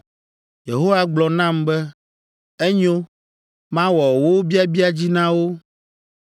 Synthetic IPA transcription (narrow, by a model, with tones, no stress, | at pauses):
je˨ɦo˦wa˦ɡ͡blɔ˨nã˦mbɛ˦ | e˦ɲo˦ | mã˦wɔ˨wo˦bi˦a˦bi˦a˨d͡ʑi˦nã˦wo˦